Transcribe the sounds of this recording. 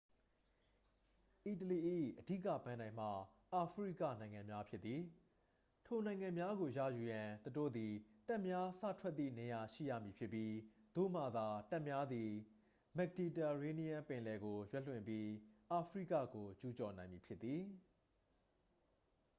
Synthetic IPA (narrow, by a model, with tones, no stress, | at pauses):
ʔi˨t̬əli˨ʔḭ˦˨ʔədi˦˨kä̰˦˨pã˨nã˨ɪ̃m̥a̰˦˨ | ʔa˨pʰɹḭ˦˨kä̰˦˨nã˨ɪ̃ŋã˨mja˦pʰjɪ˦t̪t̪ːi˨ | tʰo˨nã˨ɪ̃ŋã˨mja˦ɡo˨jä̰˦˨ju˨jã˨t̪əto̰˦˨d̪i˨ta˦ʔmja˦sä̰˦˨tʰwɛ˦t̪t̪ːḭ˦˨ne˨ja˨ʃḭ˦˨jä̰˦˨mi˨pʰjɪ˦pːji˦d̪̥o̰˦˨m̥a˨d̪a˨ta˦ʔmja˦d̪i˨ | mɛ˨k̚di˨ta˨ɹe˦ni˦jã˦pɪ̃˨lɛ˨ɡo˨jwɛ˦ʔlwɪ̰̃˨mpji˦ʔa˨pʰɹḭ˦˨kä̰˦˨ɡo˨t͡ɕu˦t͡ɕɔ˨nã˨ɪ̃mi˨pʰjɪ˦t̪ːi˨